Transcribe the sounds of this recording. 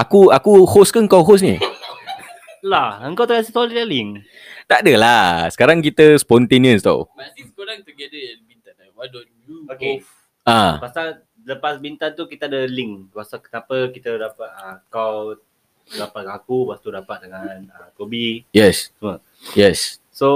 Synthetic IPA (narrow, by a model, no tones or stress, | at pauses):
ʔakuakuhoskaŋkawɦos̬nḭ | laəŋkawt̪akasisolialiŋ | t̪adəlasə̥kaɾaŋk̬it̪əspɔnt̪eniə̃st̪a̰wmat̪iskoɾaŋt̪əɡɛdəjanbint̪an | wadɔnjuke | apasal | ləpasbint̪ant̪ukit̪əadəliŋpasakə̥napəkit̪ədapat̪̚əkaw | dapat̚əakupat̪udapat̪̚dəŋanəkobijɛssəmə | jɛs | so